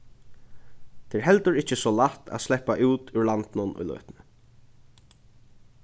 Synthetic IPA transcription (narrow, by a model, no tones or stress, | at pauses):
t̪ʰɛɛɹɦɛlt̪əɹɪt͡ʃəsɔlaht̪ʰa̰slɛpaʔuːt̪ʏɹlant̪nʊnʔʊ̰jlœ̰ːt̪nə